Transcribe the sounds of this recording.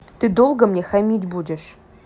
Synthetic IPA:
t̪ɨd̪olˠɡəmnʲexamʲitʲbudʲɪʂ

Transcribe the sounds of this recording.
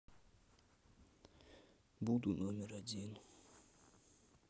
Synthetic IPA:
buʔt̪unomirad͡ʑenu

